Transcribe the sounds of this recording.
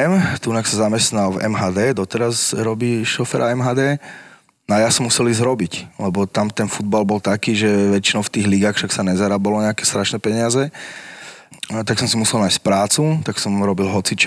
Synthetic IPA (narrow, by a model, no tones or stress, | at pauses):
ɛmt̪unaksazamɛst̪nalvɛ̰mɦaːd̪ɛːd̪ɔt̪ɛɾazɾɔbiːʃɔfɛɾaɛmɦaːd̪ɛː | najasɔmusɛlizɾɔbiclɛbɔt̪amt̪ɛnfud̪̚balbɔlt̪akiːʒɛʋɛt͡ʃinɔʊft̪iːɣliɡaːxʃaksaɲɛzaɾaːbalɔɲɛakɛst̪ɾaʃnɛpɛɲɪazɛ | t̪aksɔmsimusɛlnaːjsc̚pɾaːt͡sut̪aksɔmɾɔbilˠɦɔt͡sit͡ʃ